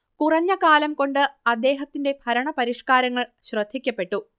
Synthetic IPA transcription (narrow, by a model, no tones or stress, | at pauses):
kurɐɲːɐkaːlɐmko̞ɳɖɨɐd̪ːe̞ːɦɐt̪ːinde̞bʱɐɾɐɳɐpɐɾiʂkaːɾɐŋːɐɭɕrɐd̪ʱːikʲːɐpːe̞ʈːu